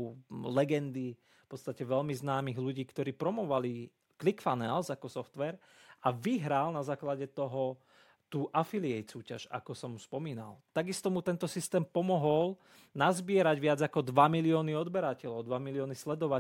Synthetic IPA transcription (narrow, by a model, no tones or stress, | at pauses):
lɛɡɛnd̪i | fpɔt̪st̪acɛʋɛʎmiznaːmiɣluɟiːkt̪ɔɾiːpɾɔmɔʋali | klikfanɛːlzakɔsɔft̪ʋɛɾ | aʋiɦɾalnazaːklaɟɛt̪ɔɦɔ | t̪uːʔafiliɛjsuːcaʃa̰kɔsɔmuspɔmiːna̰lt̪aɡist̪ɔmut̪ɛnt̪ɔsist̪ɛːmpɔmɔɦɔl | nazbɪɛɾaɟʋɪad͡zakɔd̪ʋamiliɔːniɔd̪bɛɾacɛlɔʊd̪ʋamiliɔːnislɛd̪ɔʋa